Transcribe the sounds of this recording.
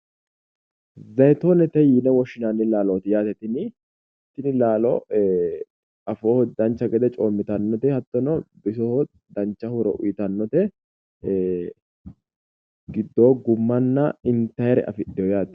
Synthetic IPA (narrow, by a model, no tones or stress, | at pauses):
zɐjt̪oːnɛt̪ɛjiːnɛwɔʃɪnanːɪlaːloːt̪ɪjaːt̪ɛt̪ɪnɪ | ɛt̪ːɪnɪlaːlɔ̰ | ɐfoːhɔd̪ɐnt͡ʃːɐɡɛd̪ɛt͡ʃʼoːmːɪt̪ɐnːɔt̪ɛhɐt̪ːɔnɔbɪsɔhɔ | d̪ɐnt͡ʃːɐhʊɾɔ̰ʔʊ̰jɪt̪ɐnːɔt̪ɛ | ɡɪd̪ːoːɡʊmːɐnːɐɪnt̪ɐjɛɾɛ̰ʔɐ̰fɪɗːɛjɔjaːt̪